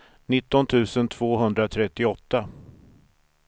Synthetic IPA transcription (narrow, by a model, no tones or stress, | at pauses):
nɪt̪ːɔnt̪ʰʉ̟ːsənt̪ʰv̥oːɦɵnd̪ɾat̪ʰɾɛt̪ːɪɔt̪ːa